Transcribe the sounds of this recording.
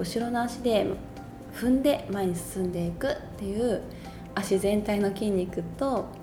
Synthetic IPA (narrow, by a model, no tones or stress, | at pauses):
ɯ̟ɕiɾo̞naaɕid̪e̞ | ɸɯ̟̃nd̪e̞maeɲ̟isɨ̥sɨ̃nd̪e̞ikɯ̟t̪ːe̞jɯ̟ː | aɕizẽ̞nt̪aino̞kʲĩɲ̟ʲːikɯ̟t̪o̞